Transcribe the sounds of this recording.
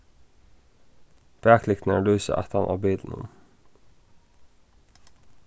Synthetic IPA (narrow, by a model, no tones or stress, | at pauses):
b̥æːkʰlɪkt̪n̩ælʉːsə̰ʔæ̰t̪ʰɑnʔɑ̰ːbiːd̪n̩ʊ̰m